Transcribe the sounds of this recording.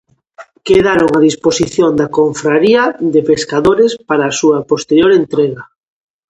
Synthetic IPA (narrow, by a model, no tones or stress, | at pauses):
keðaɾoŋaðisposiθjond̪akoɱfɾaɾiaðepeskaðoɾespaɾaːsuapost̪eɾjoɾent̪ɾeɣa